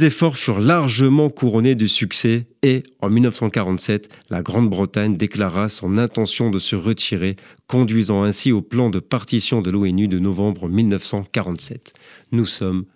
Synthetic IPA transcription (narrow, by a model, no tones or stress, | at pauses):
sezefɔʁfyʁlaʁʒəmɑ̃kuʁɔned̪ysyksɛe | ɑ̃milnəfsɑ̃kaʁɑ̃t̪sɛt̪laɡʁɑ̃d̪bʁət̪aɲd̪eklaʁasɔ̃nɛ̃t̪ɑ̃sjɔ̃d̪əsəʁət̪ʰiʁekɔ̃d̪ɥizɑ̃ɛ̃sioplɑ̃d̪əpaʁt̪isjɔ̃d̪əloɛnyd̪ənɔvɑ̃bʁəmilnəfsɑ̃kaʁɑ̃t̪sɛt̪ | nusɔm